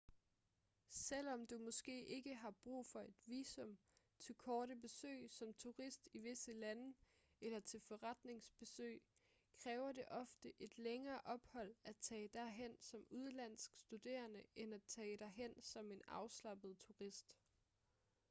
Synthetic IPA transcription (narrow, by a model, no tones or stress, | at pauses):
sel̰ɒ̽md̥umɒ̽sɡ̥e̝̰ːʔe̝ɡ̥əɦɑ̈b̥ʁṵːfɒ̽e̝d̥ʋiːsɔ̽m | t͡sʰe̝lkʰɒːɾəbe̝sø̰ːɪsɒ̽mt͡sʰuʁisd̥iʋe̝səlænə | elɐt͡sʰe̝lfɒ̽ʁad̥ne̝ŋsb̥e̝sø̰ːɪ | kʰʁɛːʊɐd̥e̝ʔɒ̽fd̥əʔe̝d̥leŋɐːʔɒ̽b̥hɒ̽l̰æt͡sʰɛ̰ːd̥æɦen̰sɒ̽muð̞ˠlæn̰sɡ̥sd̥ud̥e̝̰ːɐnəenæt͡sʰɛ̰ːɾ̥ɑɦen̰sɒ̽me̝nɑ̈ʊslɑ̈b̥əð̞̩ˠt͡sʰuʁisd̥